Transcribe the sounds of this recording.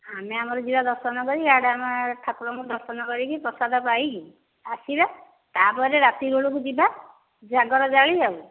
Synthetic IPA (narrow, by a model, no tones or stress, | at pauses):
ameamɔɾɔd͡ʒibad̪ɔɾsɔnɔkɔɾikaɽamaʈʰakuɾɔŋud̪ɔɾsɔnɔkɔɾikipɾɔsad̪ʱɔpajki | asiɾa | t̪apɔɾeɾat̪iɡuɭukud͡ʒiba | d͡ʒaɡɔɾɔd͡ʒaɭid͡ʒau